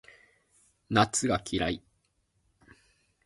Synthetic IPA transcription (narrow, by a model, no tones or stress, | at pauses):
nat͡sɨɡakʲʰiɾai